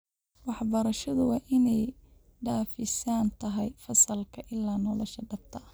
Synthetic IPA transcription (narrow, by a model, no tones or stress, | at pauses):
wɑħbɐɾɐʃɐðʊwɑːʔɪnɛj | ɖaːfɪsaːnt̪ʰɐɦɛjfɐsɐlkʰɐʔɪlːaːnɔlɔʃɐɖɐb̚t̪ʰɐ